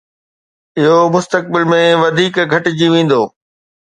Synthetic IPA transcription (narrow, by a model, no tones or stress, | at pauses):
ɪɦomʊst̪ək̚bɪlmẽʋɐd̪ʱiːkɡʱɐʈɪ̆d͡ʑiːʋẽːn̆d̪oː